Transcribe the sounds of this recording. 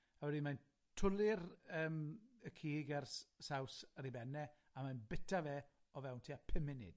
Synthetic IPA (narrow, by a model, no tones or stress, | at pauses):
awɛdiman | tʰʊlˠɪrəːməkʰiːɡarssawsəɾibɛnɛ | amanbɪtʰavɛː | ɔvɛwntʰiːapʰɛmɪnɪ̰d̥